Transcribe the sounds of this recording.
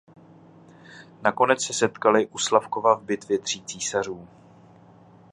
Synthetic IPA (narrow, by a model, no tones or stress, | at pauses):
nako̞nɛt͡ssɛsɛt̪kalɪʔuslafko̞vavbɪt̪vjɛt̪r̝̥iːt͡siːsar̝uː